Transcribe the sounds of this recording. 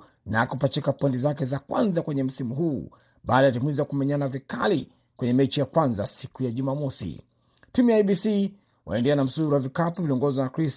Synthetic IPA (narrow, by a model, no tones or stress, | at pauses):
nakupat͡ʃikapɔntizakɛzakwa̰nzakwɛɲɛm̩simuɦuː | ɓaːɗajatimiziwakumɛɲanavikali | kwɛɲɛmɛt͡ʃijakwanzasikujaʄumamɔsḭ | timujajɓisi | wa̰ɛndɛanam̩suɾuavikapuviliɔŋɡɔzwanakɾis